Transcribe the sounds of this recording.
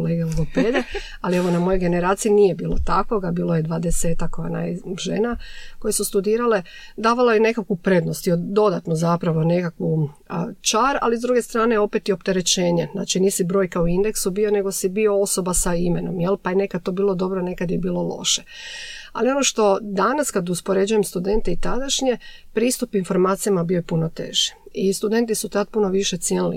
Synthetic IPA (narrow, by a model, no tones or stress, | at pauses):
leɡeoped̪e | alieʋo̞namo̞jo̞jɡe̞ne̞ɾaːt̪siiniːjebiːlˠo̰t̪ako̞ɡabiːlˠojed̪ʋad̪ese̞ːt̪akːojana̰jʒḛnako̞jesust̪ud̪iːɾale̞d̪aːʋalojene̞kakʋupɾe̞d̪no̞st̪iod̪o̞d̪at̪nozapɾaʋo̞ne̞kakʋu | t͡ʃaɾa̰lizd̪ɾuːɡe̞st̪ɾaːneo̞pet̪io̞pt̪eɾe̞t͡ɕe̞ːɲena̰ːt͡ʃiniːsibɾo̞ːjkaoind̪e̞ksubio̞ne̞ɡo̞sibio̞o̞so̞basaimeno̞̰mjelˠpajene̞kad̪̚t̪o̞ːbiːlˠo̞d̪o̞bɾone̞kad̪jebiːlo̞lˠo̞̰ʃea̰lio̞no̞ʃt̪o̞d̪anaskad̪uspo̞ɾe̞d͡ʑujemst̪ud̪e̞nt̪eit̪ad̪aʃɲe̞ | pɾiːst̪upinfo̞ɾmaːt̪sijamabiojepuno̞t̪e̞̰ːʒ̥i̥ | ist̪ud̪e̞nt̪isut̪ad̪̚puno̞ʋiʃet̪sjenilḭ